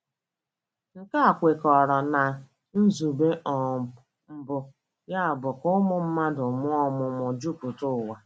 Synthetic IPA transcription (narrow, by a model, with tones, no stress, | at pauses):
ŋ̩˨ka˦a˨kʷe˨kɔ˨ɾɔ˨na˨ | n̩˦zu˨be˦ʔɔ˨ | m̩˦bʊ˦ | ja˦a˨bʊ˨kʊ˦mʊ˨m̩˦ma˦dʊ˨mʊ˦ɔ˦mʊ˨mʊ˨d͡ʒu˦pʊ˨tʊ˦˨wa˨